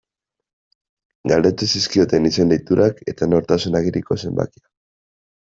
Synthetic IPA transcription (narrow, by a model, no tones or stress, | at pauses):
ɡald̪e̞t͡s̪esiskio̞t̪e̞nisend̪ejt̪uɾʔake̞t̪ano̞ɾt̪asunaɣiɾiko̞se̞mba̰kia